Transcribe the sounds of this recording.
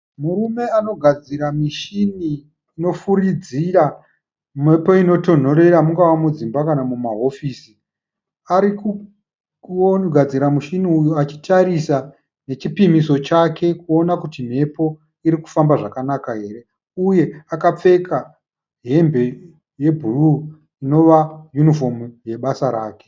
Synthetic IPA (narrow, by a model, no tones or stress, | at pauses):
muɾume̞ano̞ɡʱad͡ziɾamiʃiniː | no̞fuɾid͡zira | me̞po̞ino̞to̞n̤o̞ɾe̞ɾamuŋɡawamud͡zimbakanamumaɦo̞fiːsi | aɾiku | ɡʱad͡ziɾamuʃiniujuat͡ʃi̥tʰaɾisa | ne̞t͡ʃipimiso̞t͡ʃakʰe̞kuo̞nakutim̤e̞po̞ | iɾiku̥fambaʐakanakaɦe̞ːre̞ | uje̞akap͡fe̞kʰa | ɦe̞mbe̞ | je̞bʱuru | ino̞ʋajunifo̞muje̞ɓasaɾa̰ːke̥